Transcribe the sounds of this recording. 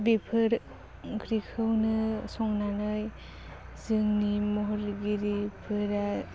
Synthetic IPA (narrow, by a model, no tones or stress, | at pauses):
bepʰɯɾ | ɡɾikʰɯwnɯsɔŋnanɯj | zɯŋnimɔɦɔɾɡiɾipʰɯɾa